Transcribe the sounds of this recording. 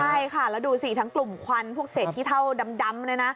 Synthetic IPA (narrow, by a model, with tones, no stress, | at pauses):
t͡ɕʰa˥˩jkʰa˥˩lɛː˦˥wduː˧siː˨˩t̪ʰa˦˥ŋklu˨˩mkʰa˧npʰu˥˩ək̚se˨˩t̪ʰːiː˥˩t̪ʰa˥˩wda˧mda˧˥mlɤː˦˥jna˦˥